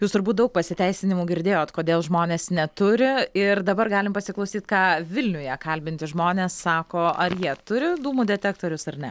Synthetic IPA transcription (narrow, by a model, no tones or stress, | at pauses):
juːst̪ʊɾbuːt̪̚d̪ɐʊk̚pɐsʲɪt̪ʲɛɪsʲɪnʲɪmuːɡʲɪɾʲd̪ʲeːjoːt̪koːd̪ʲeːlˠʒmoːnʲeːsnʲɛt̪ʊɾʲɪɪrd̪ɐbɐɾɡɑːlʲɪmpɐsʲɪklˠɐʊsʲiːt̪kɑːʋʲɪlʲnʲʊjɛkɐlʲbʲɪnʲt̪ʲɪʒmoːnʲeːsːɑːkoːɐɾjiɛt̪ʊɾʲɪd̪uːmuːd̪ʲɛt̪ʲæːk̚t̪oːɾʲʊsɐrnʲɛ